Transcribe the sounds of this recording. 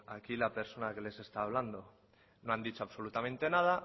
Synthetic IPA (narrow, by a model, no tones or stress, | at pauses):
akilape̞ɾso̞nakele̞se̞st̪aːβ̞land̪o | noand̪it͡ʃoaβso̞lut̪amẽ̞nt̪e̞nað̞a